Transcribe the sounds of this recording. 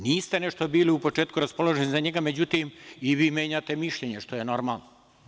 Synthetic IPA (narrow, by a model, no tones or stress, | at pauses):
niːst̪e̞neʃt̪o̞biːliupo̞t͡ʃeːt̪kuɾaspo̞lˠoʒenizaɲe̞ɡame̞d͡ʑut̪imiʋiːmʲjeːɲat̪e̞miʃʎeɲeʃt̪ojeno̞ɾmaːlˠno